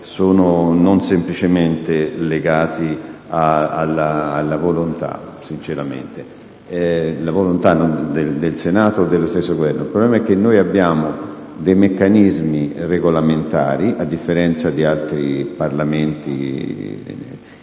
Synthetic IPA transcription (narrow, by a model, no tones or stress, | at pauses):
soːnononsemplit͡ʃement̪eleɡaːt̪iaalːaːlːavolont̪a̰ | sint͡ʃeɾamḛnt̪e | lavolont̪anːond̪ed̪elsenaːt̪od̪ːelːost̪esːoɡovɛrnoilpɾoblɛmaɛk̟ːenːojabːjaːmo | d̪ejmekːanizmireɡolament̪a̰ːɾiʔad̪ːifːeɾɛnt̪sad̪ialt̪ɾiparlament̪ḭ